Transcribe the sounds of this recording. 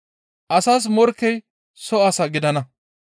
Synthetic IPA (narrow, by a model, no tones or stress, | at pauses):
ʔɐsaːs̬mɔɾkːɛj | sɔɐsɐɡɪd̪ɐnɐ